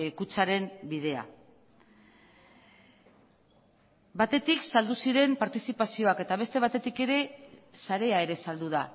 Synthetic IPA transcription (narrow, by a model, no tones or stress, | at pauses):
kut͡saɾe̞mbið̞e̞a̰ | bat̪e̞t̪iksald̪usiɾe̞mpaɾt̪isipasio̞ake̞t̪aβ̞e̞st̪e̞β̞at̪e̞t̪ike̞ɾe̞saɾe̞ae̞ɾe̞sald̪uð̞a